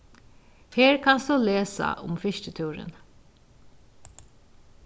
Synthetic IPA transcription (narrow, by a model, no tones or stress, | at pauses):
heːɾkʰɑnst̪oːleːsɐ̰ʊ̰mfɪʃʈət̪ʰʉːɾə̰n